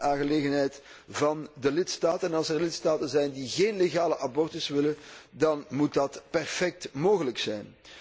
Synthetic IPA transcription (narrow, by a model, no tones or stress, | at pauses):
aːŋɣəleːɣənɦɛjt | vɑndəlɪtstaːtənnɑlˠsɛrlɪtstaːtənzɛjndiɣeːnleɣaːləʔabɔrtɪsʋɪləndɑnmut̚dɑtpɛrfɛk̚tmoːɣələksɛjn